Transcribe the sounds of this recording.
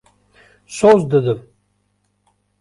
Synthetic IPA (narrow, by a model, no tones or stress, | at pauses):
sozd̪əd̪əm